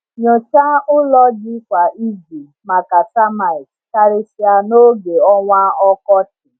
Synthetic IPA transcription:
ɲo˨t͡ʃa˦ʊ˦lɔ˦d͡ʒɪ˦kʷa˨ʔi˦ɡi˨ | ma˨ka˨sa˦ma˨ɪ˨k | ka˦ɾɪ˦sɪ˦a˨no˦ɡe˨ɔ˦ŋʷa˦ɔ˦kɔ˦tɪ˨

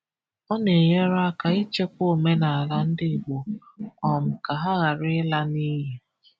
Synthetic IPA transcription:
ɔ˦ne˨je˦ɾa˦ka˨i˦t͡ʃe˦kʷo˦˨me˦na˨a˨la˦n̩˦dɪ˦˨ɡ͡bo˨ | ɔ˨m̩˨ka˨ɦa˦ɣa˨ɾɪ˦la˦ni˦ɦe˦

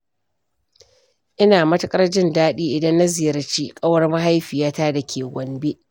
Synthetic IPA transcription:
ʔɪ˦naː˨mɐ˦tɐ˦kʼɐ˦rd͡ʒɪ˦ndaː˦ɗiː˦ʔɪ˨dɐ˦nːa˦zɪ˨jɐ˦ɾt͡ʃiː˦kʼɐ˦wɐ˦rmɐ˦ɦa˦jɸi˨jaː˦taː˦dɐ˨kʲʰeː˨ɡʷɐ˨mbeː˦ʔ

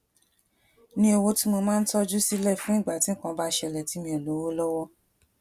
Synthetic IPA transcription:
nĩ˧˦e˧wo˧ti˦mo˧mãː˦n̩˦tɔ˦d͡ʒu˦si˦lɛ˦˨fũ˦i˦˨ɡ͡ba˨ti˨˦kã˧˦ba˦ʃɛ˧˨lɛ˨ti˨˦mĩ˧ɛ˨lo˨˦wo˦lɔ˦wɔ˦

